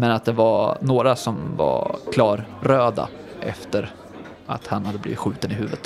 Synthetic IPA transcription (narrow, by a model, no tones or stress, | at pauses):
mɛnat̪̚d̪ɛvanoːɾasɔmva̰kʰlɑːɾːøːd̪a̰ | ʔɛ̰ft̪əɾ | a̰t̪hanhad̪ːəblḭːvɪt̪ɧʉ̟ːt̪ənɪɦʉ̟ːvət̪